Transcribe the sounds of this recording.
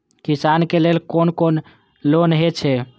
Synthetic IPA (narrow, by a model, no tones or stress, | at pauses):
kisankelelkonkon | lonɦet͡ʃʰɛ